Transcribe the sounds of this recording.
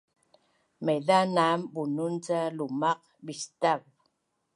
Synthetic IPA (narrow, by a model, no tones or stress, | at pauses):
meðanambununt͡salumaq | bist̪av